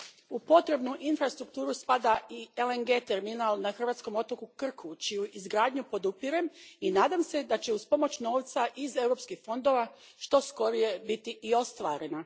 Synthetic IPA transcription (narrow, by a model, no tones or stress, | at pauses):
upo̞t̪ɾe̞bnuʔinfɾast̪ɾukt̪uːɾuspad̪aieleŋɡe̞ːt̪e̞ɾminalnaxr̩ʋaːt̪sko̞mo̞t̪o̞kukr̩kʰut͡ʃijuizɡɾaːd̪ɲupo̞d̪upiɾe̞minaːd̪amse̞d̪at͡ɕe̞uspo̞mo̞t͡ɕno̞ːʋt̪saʔize̞wɾo̞ːpskixfo̞nd̪o̞ʋa | ʃt̪o̞sko̞ɾije̞bit̪iʔio̞st̪ʋaːɾe̞na